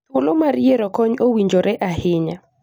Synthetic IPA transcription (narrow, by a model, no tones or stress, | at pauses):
ʊlomarjeɾɔkɔɲowiɲd͡ʒoɾɛʔahɪɲa